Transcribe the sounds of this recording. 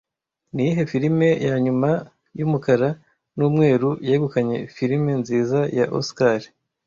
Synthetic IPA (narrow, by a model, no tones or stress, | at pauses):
nijiɦe̞fiɾime̞jaɲuma | jumukaɾa | nuːmŋe̞ːɾujaeɡukaɲe̞fiɾime̞nziːzajaʔo̰skaɾi